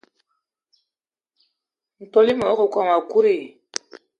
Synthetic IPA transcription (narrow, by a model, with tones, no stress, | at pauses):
n̩˨to˦li˦mə˨o˦ko˨ka˨ma˨ku˦ɾe˦˨